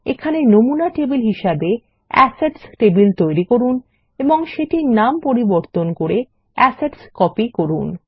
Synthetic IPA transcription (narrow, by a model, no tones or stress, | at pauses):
ekʰanenomunaʈebilɦiʃabe | ɛ̰seɖsʈebilt̪ojɾikoɾun | eboŋʃeʈinampoɾiboɾt̪onkoɾe | ɛseɖskɔpikoɾṵn